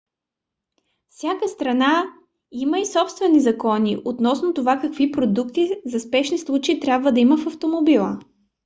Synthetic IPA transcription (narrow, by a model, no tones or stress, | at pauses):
fsʲjakəst̪ɾɐna | iməisɔpst̪vɛnizɐkɔniʔot̪nɔsnot̪ovakɐkvipɾod̪ukt̪izɐspɛʃnislˠut͡ʃɛit̪ɾʲabvəd̪ɐiməfɐft̪omobilˠə̰